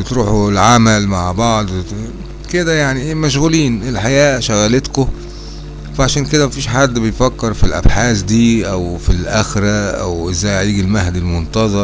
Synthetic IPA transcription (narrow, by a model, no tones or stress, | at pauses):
et̪ɾuːħuelʕamælmaʕbɑʕd̪ˤ | ked̪æjaʕniʔemæʃ̬ɣuliːnʔelħajæːʃæɣælet̪ko | fæʕaʃæːnked̪æmæfiːʃħad̪ːbejfækːeɾfilʔæ̰bħaːsd̪iːʔæwfilʔæxɾæʔæwʔezæjʕiːɡilmæhd̪ilmont̪ɑzˤɑɾ